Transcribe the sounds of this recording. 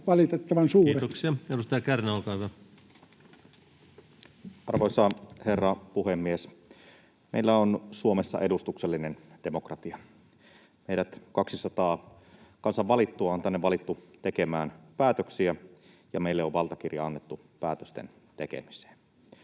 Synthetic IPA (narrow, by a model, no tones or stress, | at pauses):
ʋɑlit̪et̪ːɑʋɑnsuːet̪oksiɑedust̪ɑjɑkærnolkɑyʋæ | ʔɑrʋoˑsɑherːɑpuhemːies | mḛilːæonsuomesːɑ̰ʔe̞dust̪ukselːinend̥e̞mo̞krɑt̪iɑ | meiɾæt̪kɑksisɑt̪ɑː | kɑnsɑʋʋɑlit̪ːuɑont̪ænːeʋʋɑlit̪ːut̪ekemæːnpæːt̪øksiæ | jɑmeilːeoʋʋɑlt̪ɑkirjɑɑnːet̪ːu | pæ̰ːt̪øst̪ḛn | t̪ekḛmise̥ːn